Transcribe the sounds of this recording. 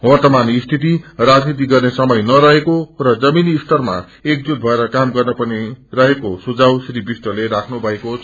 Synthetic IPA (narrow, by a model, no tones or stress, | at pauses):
wʌrt̪ʌmanist̪ʰit̪irad͡znit̪̬iɡʌrnesʌmʌjnʌɾʌɦekorʌd͡zʌminːsʈʌrma̰ | ek̚d͡zut̪̚bʱʌeɾʌkamɡʌrnʌpʌnirʌɦekosud͡zawsɾibisʈʌleɾakʰnubʱʌeko